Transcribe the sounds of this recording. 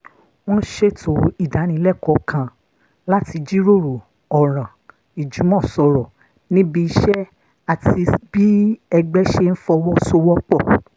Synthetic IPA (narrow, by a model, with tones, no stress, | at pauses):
w̃ɔ̃˦ʃe˦˨tʰo˨˦i˦˨da˨˦nĩ˧˦lɛ˦˨kɔ˨˦kʰã˨ | la˦ti˧d͡ʒi˦ɾo˦˨ɾo˨ | ɔ˨ɾ̃ã˨ | i˨d͡ʒu˨˦mɔ̃˦˨sɔ˧ɾɔ˨ | nĩ˦bi˧i˧ʃɛ˦ | a˦˨ti˧bi˦ɛ˧ɡ͡bɛ˦ʃe˦n̩˦fɔ˧wɔ˦so˧wɔ˦k͡pɔ˦˨